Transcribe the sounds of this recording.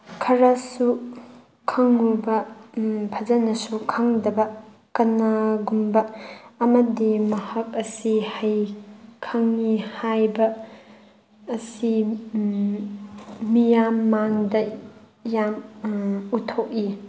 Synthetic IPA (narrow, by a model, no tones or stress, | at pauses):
kʰɐɾɐsu | kʰɐŋːubɐ | pʰɐd͡ʒɐnɐsukʰɐŋdɐbɐ | kɐnɐɡumbɐːmɐdimɐhɐk̚ɐsihɐjkʰɐŋːihajbɐ | si | mijamːaŋdɐ | jam | utʰok̚i